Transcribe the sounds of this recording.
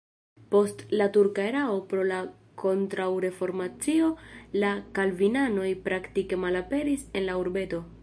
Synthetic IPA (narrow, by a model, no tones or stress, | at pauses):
po̞stlatuɾkaeɾao̞pɾo̞la | kʰo̞ntɾawɾe̞fo̞ɾmat͡sio̞lakalvinano̞jpɾaktike̞malape̞ɾise̞nlauɾbe̞to̞